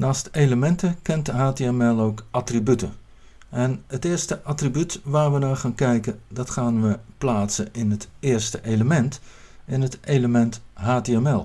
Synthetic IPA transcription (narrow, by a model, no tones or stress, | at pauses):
naːstejləmɛntəkɛntɦaːteɛmɛlˠowkʔɑtribytə | ɛnətɪːɹstəʔɑtribytʋaːɹʋənaːɹχaːnkɛjkəndɑtχaːnʋəplaːtsənʔɪnɦətɪːɹstəʔejləmɛnt | ɪnɦətejləmɛntɦaːteɛmɛlˠ